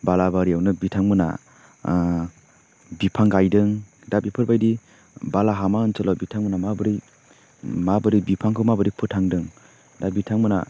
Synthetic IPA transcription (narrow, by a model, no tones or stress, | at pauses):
balabaɾiawnɯbitʰaŋmɯna̰ | bipʰaŋɡajdɯŋ | dabipʰɯɾbajdi | balaɦamaɯnsɯlɔbitʰaŋmɯnamabɯɾi | mabɯɾibipʰaŋkʰɯwmabɯɾipʰɯtʰaŋdɯŋ | dabitʰaŋmɯna̰